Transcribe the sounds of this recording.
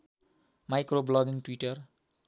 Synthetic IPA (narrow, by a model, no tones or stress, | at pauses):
majkroblɔɡiŋʈwiʈʌr